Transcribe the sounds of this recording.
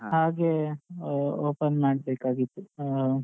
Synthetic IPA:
haːɡe | oːpɐnmaːɽbeːkaːɡit̪ːu

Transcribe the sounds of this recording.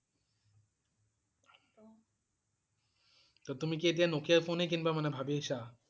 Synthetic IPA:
t̪ot̪umikieʈ̬ianokijaɾfonejk̬inbamanebʱabieʃa

